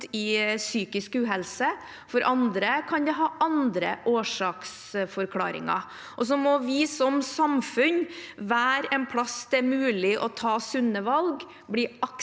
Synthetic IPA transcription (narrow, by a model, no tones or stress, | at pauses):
ɪsyːkɪskʉːɦɛlsə | fɔɾʔɑnd̪ɾəkʰɑnd̪ɛɦɑːʔɑnd̪ɾə̰ʔoːʂɑːks | fɔɾkʰlɑ̰ːɾɪ̰ŋɑ̰ | ʔɔs̬ɔmɔʋɪsɔmsɑmfʉnʋæːɾɛnpʰlɑsd̪ɛæɾmʉːlɪʔɔt̪ʰɑːsʉnːəʋɑlɡ | bliɑk